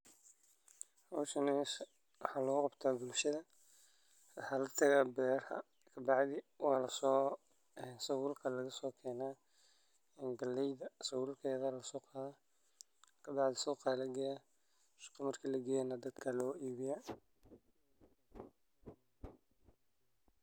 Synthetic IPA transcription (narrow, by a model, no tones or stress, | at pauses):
ɔʃɐnɛs | wɑħɑːlɐɣʊqɑbt̪ʰaːbʊlʃɐðɐ | wɑħɑːlɐt̪ʰɐɣaːbɛːrhɐ̰ | kʰɐbɑʕðɪwɑːlɐs | nsɐwʊlkʰɐlɐɣɐsɔːkʰɛːnaː | ɪnɡɐlːɛjðɐsɐwʊlkʰɛːðɐlɐsɔːqɑːða | kʰɐbɑʕðɪsɔːqɑːlɐɡɐja | ʃqɑmɐrkʰiːlɐɡɛːnɐd̪ɐd̪kʰɐlɔːʔiːβɪja